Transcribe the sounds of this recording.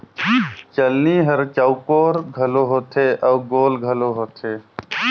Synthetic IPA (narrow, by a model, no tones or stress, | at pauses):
t͡ʃəlniːɦəɾt͡ʃəukoːɾɡʱəloːɦoːt̪ʰeːʔəːɡoːlɡʱəloːɦoːt̪ʰeː